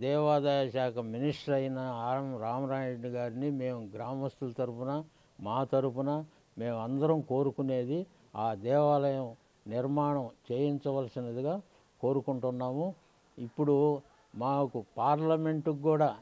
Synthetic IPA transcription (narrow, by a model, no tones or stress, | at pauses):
d̪ɛːʋaːd̪ɐjɐʃaːkʰɐminiʂʈɾɐjinɐːmɾaːmɐɾaːjɳɡaːɾinime̞ːmuɡɾaːmɐst̪ulɐt̪ɐɾupunɐ | maːt̪ɐɾupunɐ | me̞ːmɐnd̪ɐɾɐmko̞ːɾukune̞ːd̪i | aːd̪ɛːʋaːlɐjɐm | niɾmaːɳɐmt͡ʃeːjint͡ʃɐʋɐlɐsinɐd̪iɡaː | ko̞ːɾukuɳʈunːaːmu | ipːuɽu | maːkupaːɾlɐme̞ɳʈuɡuːɽaː